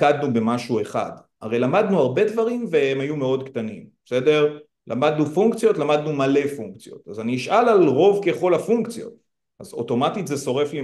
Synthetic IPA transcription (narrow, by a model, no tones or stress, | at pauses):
kad̪nube̞maʃue̞χa̰d | a̰ʁejlamad̪nuaʁbe̞dvaʁimveemajume̞o̞dktanimbesede̞ʁ | lʔa̰mad̪nufuŋkt͡sijo̞tlamad̪numale̞fuŋkt͡sijo̞̰t̪azaniiʃʔalalʁo̞vke̞χo̞lafuŋkt͡sjo̞̰t̪̚ | azo̞̰to̞matitzeso̞ʁe̞fli